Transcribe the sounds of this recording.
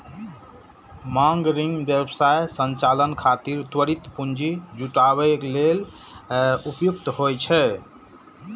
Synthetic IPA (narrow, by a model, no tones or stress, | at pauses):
mãŋɡɾiŋɡbjebsajsənt͡ʃalənkʰat̪iɾt̪wəɾit̪pund͡ʒid͡ʒuʈaβɛklel | upjuk̚t̪ɦojt͡ʃʰɛ